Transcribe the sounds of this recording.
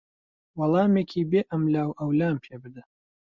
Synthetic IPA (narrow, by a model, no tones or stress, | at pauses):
wɐlˠɑːmeːkʰiːbeːʔɐmlaːwɐwlaːmpʰeːbɨd̪ɐ